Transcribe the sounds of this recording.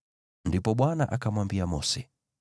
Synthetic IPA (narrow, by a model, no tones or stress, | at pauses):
ndipɔɓwanaʔakamwambiamɔsɛ